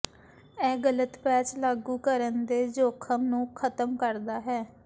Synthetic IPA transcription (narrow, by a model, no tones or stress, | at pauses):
ɛːɡələt̪pɛːt͡ʃlaːɡuːkəɾənd̪eːd͡ʒoːkʰəmnũːkʰət̪əmkəɾd̪aːɦɛː